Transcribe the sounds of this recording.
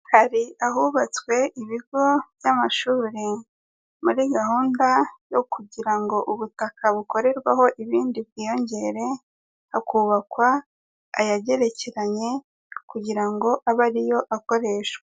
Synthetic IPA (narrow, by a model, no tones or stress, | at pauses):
haɾiaɦuβat͡swe̞ʔiβiɡo̞vjamaʃuːɾe | muɾiɡaɦuːndajo̞kuɟiɾaŋɡo̞ʔuβutakʰaβuko̞ɾe̞ɾɡwa̰ɦo̞ʔiβiːndibɡiːjo̞ɲɟe̞ɾe̞ | hakuːβakwa̰ː | jaɟe̞ɾe̞ceɾaɲe̞ | kuɟiɾaŋɡo̞ʔaβaɾijo̞ʔako̞ɾe̞ʃwa